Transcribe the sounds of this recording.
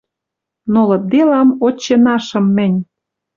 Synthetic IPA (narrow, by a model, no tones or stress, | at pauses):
nolɤ̆d̪elɑmot͡ɕːenɑʃɤ̆mːɘ̆nʲ